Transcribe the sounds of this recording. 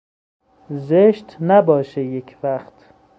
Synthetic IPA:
zeʃt̪næbɒːʃejecʰvæχt̪

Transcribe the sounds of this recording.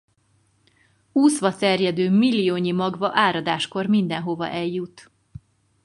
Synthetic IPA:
uːsʋɒt̪ɛrjɛd̪øːmilːijoːɲimɒɡvɒʔaːɾɒd̪aːʃko̞rmind̪ɛnɦo̞vɒ̰ʔɛljut̪

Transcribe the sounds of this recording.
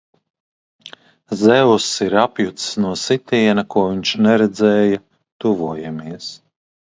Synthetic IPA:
zɛwsiɾapjut̪ssnuɔsit̪iɛnakuɔviɲʃnɛɾɛd̪zɛːja | t̪uvuɔjamiɛs

